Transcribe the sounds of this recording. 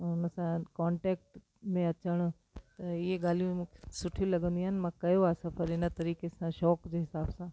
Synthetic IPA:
nɐsãkɔːɳʈeːk̚ʈ | mẽɐt͡ʃəɽ̃o | t̪ijeɡaːlijũm̃sʊʈʰjũlɐɡə̃nd̪iɦanmãkɐjoaːsãpʰɪɾɪnat̪ɐɾiːkesãʃɔːkd͡ʒeɦɪsaːbsã

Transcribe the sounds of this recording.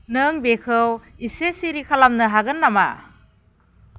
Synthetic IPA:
nɯŋbekʰɯwisesiɾikʰalamnɯɦaɡɯnːama̰

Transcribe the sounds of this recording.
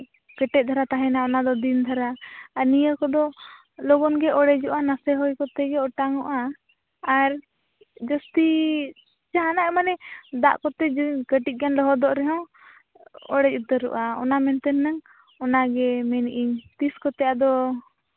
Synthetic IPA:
kəʈɛt̪̚d̪ʱaɾat̪aɦɛnaɔnad̪ɔd̪ind̪ʱaɾaːnijəkɔd̪ɔ | lɔɡɔnɡɛɔɽɛd͡ʒɔʔanasɛɦɔjkɔt̪ɛɡɛɔʈaŋɔʔaː | ɾ | d͡ʒɔst̪i | t͡ʃaɦanaʔmanɛd̪a̰ʔkɔt̪ɛd͡ʒɡəʈit̪̚ɡanlɔɦɔd̪ɔʔɾɛɦɔ̃ | ɔ̰ɽɛcut̪əɾṵʔaɔ̰namɛnt̪ɛnːəŋ | ɔnaɡɛmɛnʔiɲt̪iskɔt̪ɛjad̪ɔ

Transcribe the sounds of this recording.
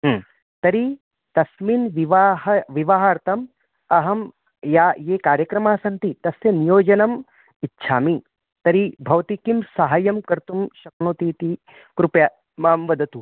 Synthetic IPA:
ɦ | t̪ɐɾi | t̪ɐsminʋiʋaːɦɐʋiʋaɦaːɾt̪ʰɐm | ɐɦɐm | jaːjeːkaːɾjɐkɾɐmaːsɐnt̪it̪ɐsjɐnijoːd͡ʒɐnɐm | itːʃʰaːmi | t̪ɐɾibʱɐʋɐt̪ikimsɐɦaːjɐmkɐɾt̪umʃɐknoːt̪iːt̪i | kɾupja | maːmʋɐd̪ʱɐt̪u

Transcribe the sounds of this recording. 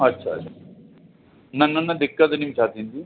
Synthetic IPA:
ɐtːɕʰa̰a | nɐnːɐnːɐd̪ɪkːɐd̪ɐnimt͡ʃʰaːt̪ind̪i

